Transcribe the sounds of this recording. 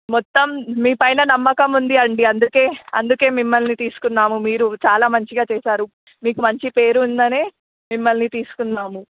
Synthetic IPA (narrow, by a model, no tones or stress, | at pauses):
mɔt̪ːɐmːiːpɐjnɐnɐmːɐkɐmund̪iɐɳɖiɐnd̪uke̞ːɐnd̪uke̞ːmimːɐlnit̪iːsu̥kunːaːmumiːɾut͡ʃaːlaːmɐɲt͡ʃiɡaːt͡ʃɛːsaːɾu | miːkumɐɲt͡ʃipe̞ːɾuind̪ɐne̞ː | mimːɐlnit̪iːsu̥kunːaːmu